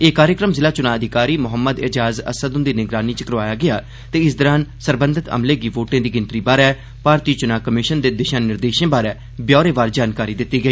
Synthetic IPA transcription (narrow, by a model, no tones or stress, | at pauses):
eːkaːɾjəkɾəmzɪlaːt͡ʃʊnãːəd̪ʱɪkaːɾiːmʊɦəmːəd̪ɪ̰d͡ʒaːzə̰səd̪ʊ̃nd̪iːnɪɡɾaːniːt͡ʃəkəɾʋaːjaːɡɪjaː | t̪eːɪs̬d̪əɾaːnsəɾbənd̪ʱɪt̪ə̰mleːɡiːʋoːʈẽːd̪iːɡɪnt̪ɾiːbaːɾɛː | paːɾt̪iːt͡ʃʊnãːkəmɪʃənd̪eːd̪ɪʃãːnnɪɾd̪eːʃẽːbaːɾɛː | bjɔːɾeːʋaːɾd͡ʒaːnkaːɾiːd̪ɪt̪ːiːɡəiː